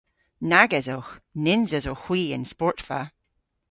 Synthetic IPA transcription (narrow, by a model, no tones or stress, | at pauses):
naɡɛzoxnɪnzəzoxwiə̃nspɔɹtfa̰